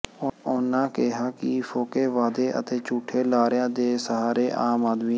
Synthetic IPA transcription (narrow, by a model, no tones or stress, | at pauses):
ʊnãːkeɦaːkifʰoːkeːʋaːd̪eːʔə̰t̪eːt͡ʃuːʈʰːeːlaːɾɪjãːd̪eːsəɦaːɾeːʔaːmaːd̪miː